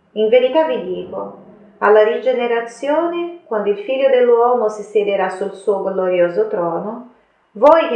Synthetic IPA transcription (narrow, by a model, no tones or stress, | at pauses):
iɱveɾit̪avid̪iːko̰ | alːaɾid͡ʒeneɾat̪sjoːnekwand̪oilfiʎːod̪elːwɔːmosised̪eɾasulsuːoɡloɾjoːzot̪ɾɔːno | vɔjk